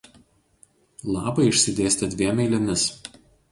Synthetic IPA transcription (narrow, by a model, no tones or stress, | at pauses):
lˠɑːbɐɪɪʃʲsʲɪd̪ʲeːsʲt̪ʲɛd̪ʲʋʲiɛmʲɛɪlʲɛmʲɪs